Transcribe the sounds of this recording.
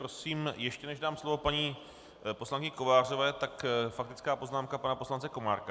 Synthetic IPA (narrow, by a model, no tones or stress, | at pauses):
ɾosiːmjɛʃcɛnɛʒdaːmslo̞vo̞paɲiː | poslaŋkɪɲɪko̞vaːr̝o̞vɛːt̪akfak̚t̪ɪt͡skaːpo̞znaːmkapanapo̞slant͡sɛko̞ma̰ːɾka